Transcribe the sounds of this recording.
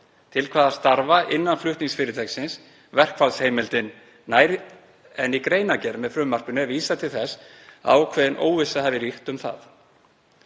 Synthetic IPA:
t̪ʰɪlkʰvaːðḁst̪aɾvaʔɪnːanflʏht̪niŋsfɪːɾɪt̪ʰɛksɪns | vɛr̥kfalsheːjmɪlt̪ɪnː | aːjɾ | ɛnikɾeːjnacɛɾmɛðfɾʏmːar̥kʏnʏɛviːsat̪ʰɪlθɛsa̰ːwkʰvɛːðɪnʔo̰ːwvɪsahɛvɪɾiht̪ʏmθa̰θ

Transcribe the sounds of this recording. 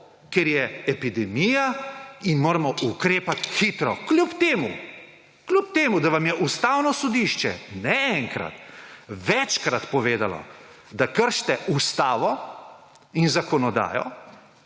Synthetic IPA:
keɾjɛɛpid̪ɛmiːjainmoːɾamɔʔukɾeːpat̪xit̪ɾɔklʲupt̪eːmṵ | klʲup̚t̪eːmud̪aʋamjɛʔust̪aːwnɔsɔd̪iʃt͡ʃɛ̰nɛɛŋkɾa̰t̪ʋɛt͡ʃkɾat̪pɔʋeːd̪alɔ̰d̪akəɾʃt̪ɛʔust̪aːʋɔ | inzakɔnɔd̪a̰ːjɔ̰

